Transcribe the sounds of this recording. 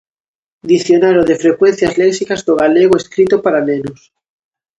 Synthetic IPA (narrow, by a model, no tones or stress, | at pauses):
d̪iθjonaɾoðefɾekwẽn̟θjazlɛksikazðoɣaleɣ̞oeskɾit̪opaɾanenʊs